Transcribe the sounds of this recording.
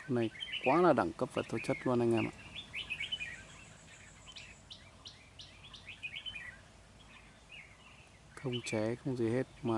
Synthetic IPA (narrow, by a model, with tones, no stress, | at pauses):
o˧nːa˨˩jkwʔaː˨˦laː˨˩ɗa̰˧˩ŋkə˦˥p̚vaː˨˩t̪ʰo˧˦t͡ɕə˦˥t̚lu˧ənha˧jŋa˧˩nʔa̰ː˧˨ | xə˧wŋ͡mt͡ɕɛ˨˩˦xə˧wŋ͡mzi˨˩he˦˥t̚maː˨